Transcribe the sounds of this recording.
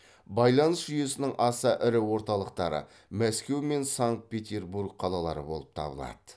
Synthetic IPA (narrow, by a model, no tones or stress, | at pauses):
bɑjlˠɑnəsʒ̥ʏje̞sɪnɪŋʔɑsəʔɪɾɪwo̞ɾt̪ɑlˠəq̚t̪ɑɾə̰ | mæskʲe̞wme̞nsaŋt̪̚pʲe̞t̪ʲe̞ɾburɡ̚qʰɑlˠɑlˠɑ̰ɾə̰bo̞̰lˠəp̚t̪ʰɑ̰bə̰lˠɑ̰d̪̥ə